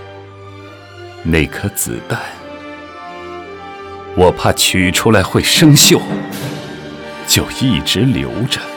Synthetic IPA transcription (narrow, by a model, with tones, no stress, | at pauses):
ne˥˩ɪkʰɤ˥t͡sɹ̩̰˨˩t̪a˥˩ɪ | wɔ˨˩pʰa˥˩t͡ɕʰy˨˩ʈ͡ʂʰu˥la˧˥ɪxwe˥˩ɪʂɤ˥ŋɕjo˥˩ʊ | t͡ɕjo˥˧ʊi˥˩ʈ͡ʂɻ̩˧˥ljo̰˧˥ʊʈ͡ʂə˧